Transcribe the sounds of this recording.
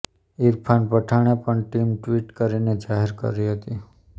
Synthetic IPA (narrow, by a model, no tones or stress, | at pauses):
iɾpʰanpəʈʰaɳ̃epəɳʈimʈʋiʈkəɾined͡ʒaɦeɾkə̰ɾiɦət̪i